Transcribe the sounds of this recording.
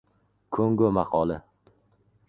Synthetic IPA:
kʰɵŋɡɵmaqʰɒlɪ

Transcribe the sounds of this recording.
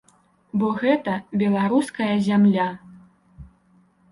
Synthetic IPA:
bɔɣɛt̪ɐbʲɛlˠaɾuskɐjɐzʲamlʲa

